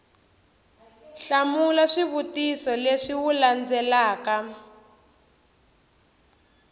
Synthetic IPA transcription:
ɬamulaʂiβutisɔleʂiwuland͡zɛlaːka

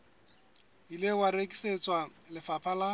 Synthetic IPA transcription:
ilɪwaɾekʼi̥set͡sʼwalɪfapʰala

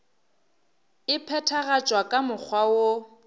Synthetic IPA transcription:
ɪpʰɛtʰaɣat͡ʃʼwakʼamʊk͡xʰwawo

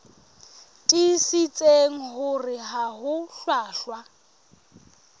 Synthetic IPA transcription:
tʼisit͡sʼeŋ̩ɦʊrɪɦaɦʊɬwaːɬwa

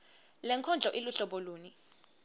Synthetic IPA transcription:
lɛŋkʰɔnd͡ɮʱɔʔiluɬɔɓɔloːni

